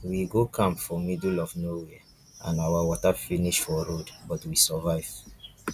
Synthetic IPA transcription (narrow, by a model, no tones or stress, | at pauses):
wiɡokʰãmpfɔmidulɔvnowɛ | ʔã̰nawawɔtafiniʃfɔɾodbɔtwisɔvaɪv̥